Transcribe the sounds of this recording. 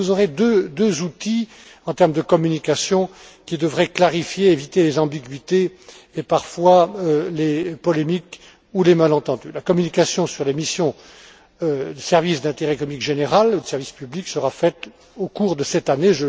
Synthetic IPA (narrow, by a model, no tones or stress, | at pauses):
vuzoʁed̪ød̪øzut̪i | ɑ̃t̪ɛʁmd̪əkɔmynikasjɔ̃kʲid̪əvʁɛklaʁifjeevit̪elezɑ̃biɡɥit̪eː | paʁfwalepɔlemik | ulemalɑ̃t̪ɑ̃d̪y̰lakɔmynikasjɔ̃syʁlemisjɔ̃ | d̪əsɛʁvisd̪ɛ̃t̪eʁɛkɔmikʒeneʁaləsɛʁvispybliksəʁafɛt̪ | okuʁd̪əsɛt̪aneʒə